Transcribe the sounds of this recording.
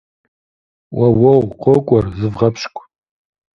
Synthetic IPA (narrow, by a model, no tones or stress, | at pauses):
wɐwɐwqʰʷokʷʼɔrzɨvʁɐpʰɕkʷʼ